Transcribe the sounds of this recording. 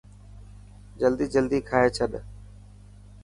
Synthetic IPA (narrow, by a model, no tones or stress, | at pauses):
d͡ʒəld̪iːd͡ʒəld̪iːkʰaːɦeːt͡ʃʰəɗ